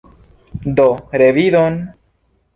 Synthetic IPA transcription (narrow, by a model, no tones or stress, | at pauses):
d̪oɾeβiðon